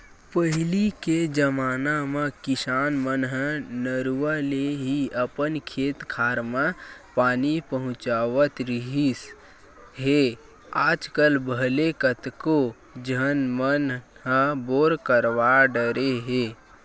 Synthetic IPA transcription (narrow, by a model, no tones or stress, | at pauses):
pəɦɪliked͡ʒəmaːnamãkɪsaːnmənɦə̃nəɾuʋaleɦiəpənkʰeːt̪kʰaːɾmãpaːnipəɦʊ̃t͡ʃaːʋət̪ɾiɦis | ɦe | aːd͡ʒkəlbʱəlekət̪ko | d͡ʒənmənɦə̃boːɾkəɾʋaɖəɾeɦeː